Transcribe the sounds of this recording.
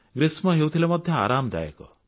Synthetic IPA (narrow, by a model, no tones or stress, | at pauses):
ɡɾismɔɦewt̪ʰilamɔd̪ʱjɔa̰ɾamd̪a̰jḛkɔ̰